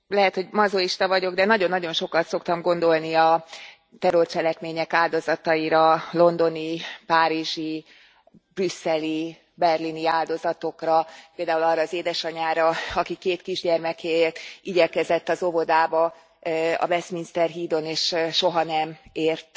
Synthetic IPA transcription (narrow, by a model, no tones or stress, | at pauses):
lɛɦɛt̪ho̞ɟmɒzoiʃt̪ɒvɒɟo̞ɡd̪ɛnɒɟo̞nːɒɟo̞nʃo̞kɒt̪so̞kt̪ɒmɡo̞nd̪o̞lniɒ | t̪ɛɾort͡ʃɛlɛkmeːɲɛkaːld̪o̞zɒt̪ɒiɾɒlo̞nd̪o̞nipaːɾiʒi | brysːɛli | bɛrliniaːld̪o̞zɒt̪o̞krɒpeːld̪aːulɒrːɒːzeːd̪ɛʃɒɲaːɾɒɒkikeːt̪kiʒɟɛrmɛkeert̪iɟɛkɛzɛt̪ːɒzo̞vo̞d̪aːbɒ | ɒ̰vɛsminst̪ɛrɦiːd̪o̞neːʃʃo̞ɦɒnɛmeːrt̪